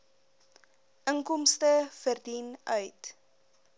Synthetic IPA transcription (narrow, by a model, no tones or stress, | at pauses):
ʔəŋkɔmstəfərdinœɥt